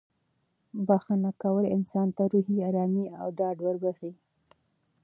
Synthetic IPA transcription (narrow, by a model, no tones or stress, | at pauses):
baxanakawəlɪnsɑnt̪aɾuɦiɑɾɑmia̰wɖɑɖwəɾbəxi